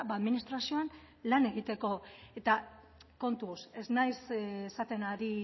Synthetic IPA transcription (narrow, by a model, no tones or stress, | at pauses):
baːðminist̪ɾasio̞an | lane̞ɣit̪e̞ko̞e̞t̪a | ko̞nt̪use̞znajsesat̪e̞naɾi